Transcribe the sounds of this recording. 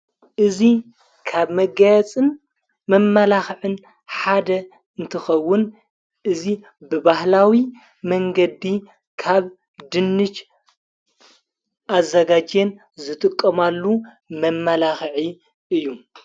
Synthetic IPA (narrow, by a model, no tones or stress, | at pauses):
ʔɨzi | kʰaβmɐɡajɐt͡sʼɨn | mɐmːɐlaxʕɨn | ħad̪ɐ | ɨnt̪ʰɨxɐwːʊn | ʔɨzi | bɨbahlawi | mɐŋɡɐd̪i | kʰaβ | d̪ɨnːɨt͡ʃ | ʔazːɐɡad͡ʒen | zɨt̪ʼɨkʼːɐmalːu | mɐmːɐlaxʕi | ɨjːu